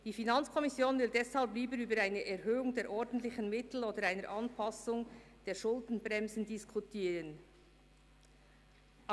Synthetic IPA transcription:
d̥iːfinɑnt͡skʰɔmɪsjoːnvɪldɛshɑlpliːbəɾyːbəɾaɪnəʔɛɾɦøːʊŋdeːɾʔɔɾdn̩tlɪçən̩mɪtl̩oːdəɾaɪnəɾʔɑnpʰɑsʊŋd̥eːʃʊldn̩bʁɛmzn̩diskʰutʰiːɾən | ʔ

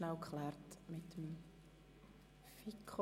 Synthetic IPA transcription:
nawkχlɛːrtmɪtəm | fikʰ

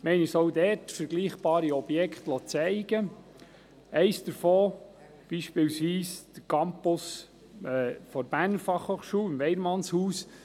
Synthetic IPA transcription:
mɛɪnɪsɔʊdɛːɾtfəɾɡliːχb̥ɑːɾiɔb̥jɛkχtlɔt͡sɛɪɡ̥ə | ɛɪsd̥əɾfoː | b̥iːʃpɪːlsʋiːsd̪̥əɾkʰɑmpʊs | ɛːfɔɾb̥æːrnfɑχhoːχʃuːɪmʋɛɪɾmɑnshuːs

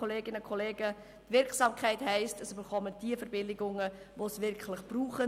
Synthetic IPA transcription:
oleːɡɪnəkʰɔleːɡə | tvɪɾksɑːmkχɛɪthɛɪstəsybəɾχɔməd̥iəfəɾbɪlɪɡʊŋə | ʋosvɪɾkχlɪχb̥ruːχə

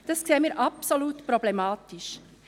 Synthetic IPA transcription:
d̥ɑskseːmiːɾʔɑpsoluːtpɾɔblɛmɑːtiʃ

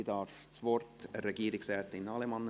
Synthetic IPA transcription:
dɑːɾft͡sʋɔɾtəɾɛɡiːɾɪksɛːt̪ɪnɑlɛmɑnːə

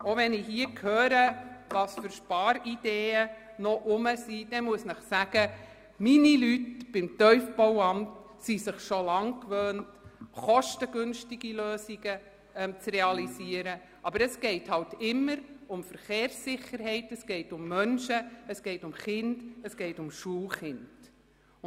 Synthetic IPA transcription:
oʋɛnɪɦiəkʰhøːɾəvɑːsfʏɾʃpɑːɾid̥eːə | nɔʔʊməsid̥ɛmuəsnəχsæɡ̥ə | minilytb̥ɪmtœʏfb̥ɔwɑmt | sisɪχʃolɑŋkʋøːntχɔʃtəɡ̥ʏnʃtɪɡiløːsiɡ̥ə | ɛmt͡srɛɑlisiəɾə | ʔɑbəɾəsɡ̥ɛɪthɑwtɪmːəɾʊmfəɾχeːɾsːɪχəɾɦɛɪtəsɡ̥ɛɪtʊmːœnʃəəsɡ̥ɛɪtʊmχɪnd̥əsɡ̥ɛɪtʊmʃuːlχɪnd̥

